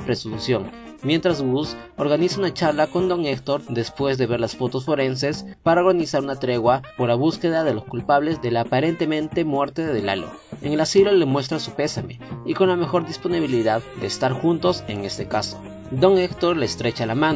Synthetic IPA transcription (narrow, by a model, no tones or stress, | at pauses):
pɾe̞sunsjo̞ŋmje̞nt̪ɾazɣuso̞ɾɣanisaunat͡ʃaɾlako̞nd̪o̞ŋekt̪o̞ɾd̪e̞spwe̞zðe̞βe̞ɾlasfo̞t̪o̞sfo̞ɾe̞nse̞spaɾaoɾɣanisaɾunat̪ɾe̞ɣwapo̞ɾlaβuske̞ðaðe̞lo̞skulpaβle̞zðe̞laːpaɾe̞nt̪emẽ̞nt̪e̞mwe̞ɾt̪e̞ðe̞la̰lo̰ | eŋe̞lasilolemwe̞s̬t̪ɾasupe̞same̞̰iko̞nlame̞xo̞ɾðispo̞niβ̞iliðaðd̪e̞ːst̪aɾxunt̪o̞se̞ŋe̞st̪e̞kaso̥ | d̪o̞ŋekt̪o̞ɾleːst̪ɾe̞t͡ʃalamãn